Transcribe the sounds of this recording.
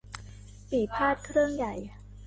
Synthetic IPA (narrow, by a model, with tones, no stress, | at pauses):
piː˨˩pʰaː˥˩t̪̚kʰɾɯ˥˩əŋja˨˩j